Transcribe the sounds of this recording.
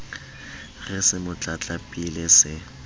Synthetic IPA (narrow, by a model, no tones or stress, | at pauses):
ɣɛsɪmʊt͡ɬʼat͡ɬʼapʼilɪsɪ